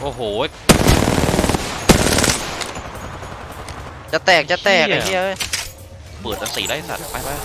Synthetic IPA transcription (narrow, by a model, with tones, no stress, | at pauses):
ʔoː˨˩ɦoː˨˩˦e˦˧˩ | t͡ɕa˧˩t̪ɛː˨˩k̚t͡ɕa˨˧t̪ɛː˨˩k̚a˧i˧˩˨ʔɤː˧˩j | pɯː˨˩ət̪̚ʔa˧siː˨˩˦laː˧˥˩sa̰˨˩t̪̚pa˧˩jba˧˥˩